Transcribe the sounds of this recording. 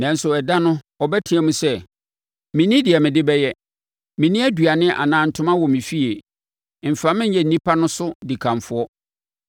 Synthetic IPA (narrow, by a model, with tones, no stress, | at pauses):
nã˨n̩˦sʊ˨ɛ˨da˦nʊ̃˦ | ɔ˨bɛ˦tʰɪ̃˨ɛ˨mũ˦sɛ˦ | mɪ̃˨nĩ˦dɪ˨ɛ˨mɪ̃˨dɪ˦bɛ˦jɛ˦ | mɪ̃˨nĩ˦æ˦du˨a˨nɪ̃˦ʔa̰˨nãː˨˦n̩˨tʰʊ˦mã˦wɔ˨mĩ˨fi˦e˨ | m̩˨fa˨mɪ̃˦jɛ˨n̩˨˦nĩ˦pʰa˦nʊ̃˦sʊ˦di˨kʰã˨ɱ˨fʊ˦ɔ˦